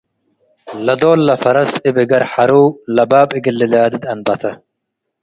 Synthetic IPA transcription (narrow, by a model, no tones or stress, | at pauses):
lɐd̪oːlːɐfɐɾɐsɪbɪɡɐɾħɐɾuːlɐbaːbɪɡɪlːɪlaːd̪ɪd̪ɐnbɐt̪ʰɐ